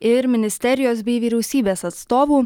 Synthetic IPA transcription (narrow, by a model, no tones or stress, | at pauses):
ɪɾmʲɪnʲɪsʲt̪ʲɛɾʲɪjoːsbʲɛɪʋʲiːɾʲɛʊsʲiːbʲeːsɐt̪st̪oːʋuː